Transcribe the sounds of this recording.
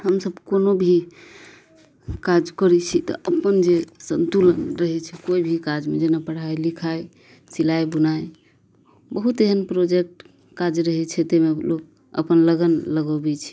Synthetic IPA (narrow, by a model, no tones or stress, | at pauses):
ɦəmsəbkonobʱi | kad͡ʒkəɾɛt͡ʃʰit̪ɔ̰ʔəpənd͡ʒesənt̪ulənɾəɦɛt͡ʃʰɛkoibʱikad͡ʒmed͡ʒenapəɽ̤ajlikʰaj | silajbənaj | bəɦut̪eɦənpɾod͡ʒek̚ʈ | kad͡ʒɾəɦɛt͡ʃʰɛt̪ɛmelok̚ | ə̰pənləɡənləɡəbɛt͡ʃʰɛ̥